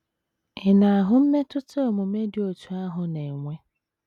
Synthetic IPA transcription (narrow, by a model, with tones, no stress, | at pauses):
ɪ˨na˨a˨ɦʊ˦m̩˦me˦tʊ˦to˦o˨mʊ˨me˦dɪ˨o˨tʰu˨a˦ɦʊ˨ne˨ŋʷe˦